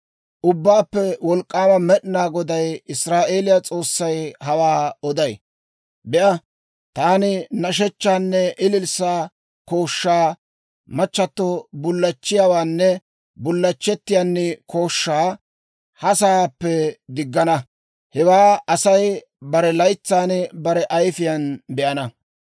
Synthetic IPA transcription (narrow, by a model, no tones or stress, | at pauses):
ʔʊbːaːpːɛwɔlkʼːaːmɐmɛɗnaːɡɔd̪ɐjɪsɾaːʔe̞ːlɪjat͡sʼo̞ːsːɐjhɐwaːɔd̪ɐj | bɛʔɐ | t̪aːnɪnɐʃ̬ɛt͡ʃːaːnːɛʔɪlɪlsaː | koːʃːaː | mɐt͡ʃːɐt̪ːɔbʊlːɐt͡ʃːɪjaːwaːnːɛ | bʊlːɐt͡ʃːɛt̪ːɪjanːɛkʰo̞ːʃːaː | hɐsaːpːɛd̪ɪɡːɐnɐ | hɛwaːɐsɐj | bɐɾɛlɐjt͡sːaːnbɐɾɛʔɐjfɪjɐnbɛʔɐnɐ